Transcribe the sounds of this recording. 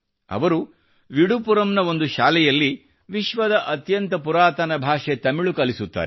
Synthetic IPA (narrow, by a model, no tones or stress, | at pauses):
ɐ̰ʋɐɾu | ʋiɽupuɾɐmnɐo̞nd̪uʃaːlɛjɐlːi | ʋiʃʋɐd̪ɐʔɐt̪jɐnt̪ɐpuɾaːt̪ɐnɐbʱaːʂet̪ɐmiɭukɐlisut̪ːa̰ːɾe